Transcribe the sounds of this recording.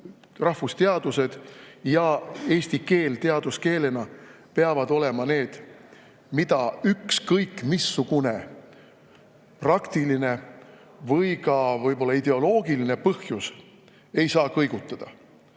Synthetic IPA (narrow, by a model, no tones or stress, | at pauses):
rɑhvust̪e̞ɑd̪̥use̞d̪̥jɑe̞ːsʲt̪ike̞ːlt̪e̞ɑd̪̥uske̞ːle̞nɑ | peɑvɑd̪o̞le̞mɑne̞ːd̪̥ | mid̪̥ɑykskɤjkːmisːuɡ̥une̞ | prɑkt̪iline̞ | vɤjkɑvɤjbo̞lːɑid̪̥e̞o̞lo̞ːɡiline̞pɤhjus | e̞jsɑːkɤjɡ̥ut̪ːˑɑd̪̥ɑ